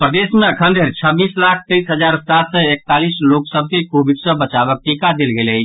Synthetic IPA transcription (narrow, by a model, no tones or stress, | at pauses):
pɾəd̪esmẽəkʰənd̪ʱeɾt͡ʃʰəbiːslakʰt̪ɛisɦəd͡ʒaːɾsat̪sɛek̚t̪alisloksəb̚ʱkekobiɖsəbət͡ʃabək̚ʈikad̪elɡele